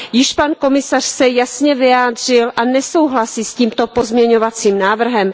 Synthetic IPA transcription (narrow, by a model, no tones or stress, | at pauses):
jɪʃpanko̞mɪsar̝̥sɛjasɲɛvɪjaːdr̝ɪlʔanɛso̞wɦlasiːsciːmt̪o̞po̞zmɲɛɲo̞vat͡siːmnaːvr̩ɦɛm